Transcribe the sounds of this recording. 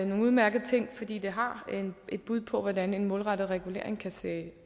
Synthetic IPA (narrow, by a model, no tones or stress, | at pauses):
no̝ːŋ̩uð̞ˠmæɐɡ̥ð̩ˠt͡sʰe̝ŋ̰fɒ̽d̥ḭːd̥e̝ɦɑ̈ene̝d̥̚b̥uð̞̰ˠpʰɒ̽ʋɒdæne̝nmɔ̽ːlʁɑ̈d̥ð̩ˠʁɛɡ̥ule̝̰ɐ̰eŋkʰæseː